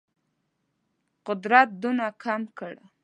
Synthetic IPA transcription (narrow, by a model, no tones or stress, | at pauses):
qʊd̪ɾat̪̚d̪unakʰamkəɽ